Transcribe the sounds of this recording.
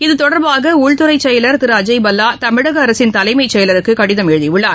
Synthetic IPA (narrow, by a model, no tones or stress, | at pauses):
ɪðɯt̪ɔɽɐɾbaːɣɐʊɻt̪ɯɾɐɪt͡ʃːɛjɐlɐɾk̪ɪɾaːd͡ʒɐɪbɐlːaːt̪ɐmɪɽɐɣɐːɾɐsɪnt̪ɐlɐɪmɐɪt͡ʃːɛjɐlɐɾɯkːɯkɐɽɪðɐmɛɻɯðiɪɭːaː